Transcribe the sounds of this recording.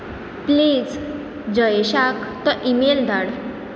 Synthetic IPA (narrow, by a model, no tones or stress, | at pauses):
pliːd͡z | d͡ʑəjeɕakt̪ɔʔimeld̪aɽ